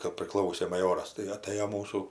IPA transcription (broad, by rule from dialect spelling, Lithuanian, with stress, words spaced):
kɐp pʲrʲɪˈklˠɐʊsʲeː mɐˈjoːrɐs tɐɪ ɐˈtɘjoː ˈmuːsuː